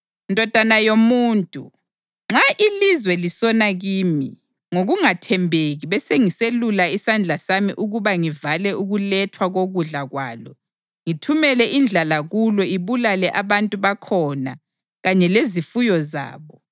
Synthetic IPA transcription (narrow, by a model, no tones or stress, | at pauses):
ndʱɔd̥ʱanajomuːntʼṵ | ŋ͡ǁaʔilizwɛlisɔnaɣiːmḭ | ŋoɣuŋatʰɛmbʱeɣiβɛseŋiselulaisand͡ɮʱasamḭʔuɣuβaŋivalɛʔuɣulɛtʰwaɣoɣuɮaɣwa̰ːlɔ̰ | ŋitʰumɛlɛʔind͡ɮʱalaɣulɔiβulalɛʔaβantʼuβakʰɔna | ɣaɲɛlezifujɔza̰ːβɔ